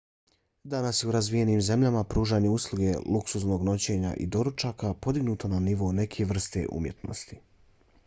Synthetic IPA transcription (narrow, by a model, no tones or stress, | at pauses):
d̪anasje̞uɾazʋijeniːmze̞mʎʲamapɾuːʒaːɲe̞uslˠuɡe̞luksuzno̞ːɡno̞t͡ɕe̞ːɲa̰ʔḭd̪o̞ɾut͡ʃaːkapo̞d̪iɡnuːt̪o̞naniʋo̞ːne̞kʰeʋr̩st̪e̞̰ʔṵmje̞t̪no̞̰st̪i̥